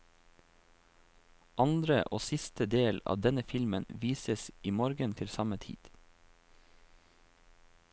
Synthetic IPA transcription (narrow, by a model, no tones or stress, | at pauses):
ʔɑnd̪ɾəʔoːsɪst̪əd̪eːlɑ̰ːʋd̪ɛnəfɪlmənʋiːsəsiːmoːɾɡənt̪ʰɪlsɑmət̪ʰḭːd̪̥